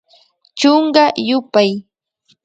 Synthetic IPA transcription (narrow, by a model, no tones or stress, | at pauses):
t͡ʃoɴɢɑjʊpaj